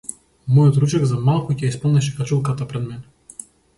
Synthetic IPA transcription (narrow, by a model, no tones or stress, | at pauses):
mujɔt̪ɾut͡ʃɛɡzamalˠkucʲɛaispɔlˠnɛʃ̬ɛkat͡ʃulˠkat̪apɾɛd̪mɛnɛ